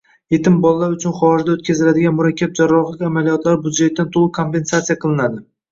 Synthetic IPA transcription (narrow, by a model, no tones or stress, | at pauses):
je̞t̪ɪmbɒlˠːaɾʊt͡ʃʰʊnχɒʒd̪aot̪̚kʲazɪlad̪ɪɡʲanmʊɾakʲːap̚d͡ʒaɾːɒχlˠɪkʲamalijɒt̪laɾbud̪ʒet̪̚ːant̪ʰolˠɨkʰo̞mpe̞nsat̪sijaqʰɨlˠɪnad̪ɪ